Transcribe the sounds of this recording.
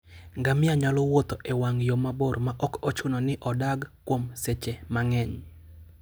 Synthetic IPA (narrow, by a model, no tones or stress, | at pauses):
ŋɡamɪaɲalɔwot̪ɔʔewaŋjomabormaʔɔkɔt͡ʃʊnɔnɪʔɔdaɡkːwomset͡ʃemaŋɛɲ